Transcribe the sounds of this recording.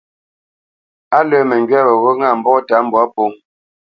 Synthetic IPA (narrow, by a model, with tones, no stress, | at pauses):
a˦lə˦˨mɛ˨ŋɡɥɛ˦bə˨ɣo˦ŋa˦˨m̩˨bɔ˦ta˨˦m̩˦bɔ˨˦a˦po˦ŋ